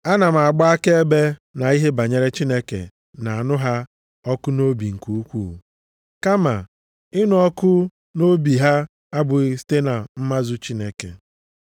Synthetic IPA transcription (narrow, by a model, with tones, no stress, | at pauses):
a˦na˨m̩˨a˨ɡ͡ba˦a˦ke˦e˦be˦na˨i˦ɦe˦ba˨ɲe˨ɾe˦t͡ʃi˦ne˦kḛ˨ | na˨a˨nʊ˦ɦa˦ | ɔ˦kʊ˦no˦bi˨ŋ̩˨ku˦u˦kʷuː˦˨ | ka˦ma̰˨ | ɪ˦nʊ˨ɔ˦kʊ˦ | no˦bi˨ɦa˦ | a˦bʊ˨˦si̥˦te˦na˨m̩˦ma˦zʊ˦t͡ʃi˦ne˨kḛ˨